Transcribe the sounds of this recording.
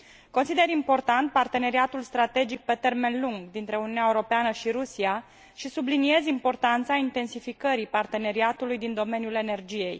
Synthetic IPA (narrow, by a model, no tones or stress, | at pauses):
ko̞nsid̪e̞ɾimpo̞rt̪ant̪̚part̪e̞ne̞ɾiat̪ulst̪ɾat̪e̞d͡ʒik̚pe̞t̪e̞rme̞nluŋɡd̪int̪ɾe̞uniuneaeuɾo̞peanəʃiɾusia | ʃisublinie̞zimpo̞rt̪ant̪saint̪e̞nsifikəɾipart̪e̞ne̞ɾiat̪ulujd̪ind̪o̞me̞njule̞ne̞rd͡ʒije̞j